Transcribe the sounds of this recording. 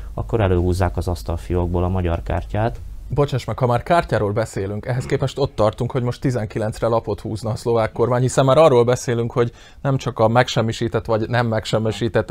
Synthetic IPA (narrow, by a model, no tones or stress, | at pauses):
ɒkːo̞ɾɛløːɦuːzːaːkɒzɒst̪ɒlfijoɡ̚boːlɒmɒɟɒ̰rka̰ːrcaːt̪bo̞t͡ʃɛʃmɛkhɒmaːrkaːrcaːɾoːlbɛseːlyŋkɛɦɛskeːpɛʃt̪o̞t̪ːɒrt̪uŋkho̞ɟmo̞ʃt̪ːizɛŋkilɛnsrɛlɒpo̞t̪huːznɒːslo̞vaːkːo̞rmaːɲhisɛmːaːɾɒrːoːlbɛseːlyŋkho̞ɟ | nɛmt͡ʃɒkɒmɛkʃɛmːiʃiːt̪ɛt̪ːʋɒɟnɛmːɛkʃɛmːiʃiːt̪ɛt̪ː